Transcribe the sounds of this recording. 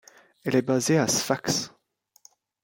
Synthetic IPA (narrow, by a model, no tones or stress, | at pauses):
ɛlɛbazeasfaks